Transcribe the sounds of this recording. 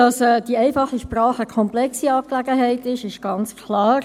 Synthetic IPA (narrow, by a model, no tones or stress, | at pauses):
ɑsɛːd̥iɛɪfɑχəʃprɑːχəkʰɔmplɛksiɑːp̚klæɡəɦæɪtɪʃɪʃ̚ɡ̥ɑnt͡skʰlɑːɾ